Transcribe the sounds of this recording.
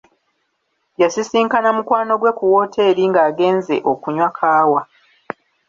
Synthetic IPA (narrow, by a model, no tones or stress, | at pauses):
jasisiːŋkanamukwaːno̞ɡwe̞kuwo̞ːtʰe̞ːɾiŋɡaːɡe̞ːnze̞̰ʔo̞kuɲwakʰaːwa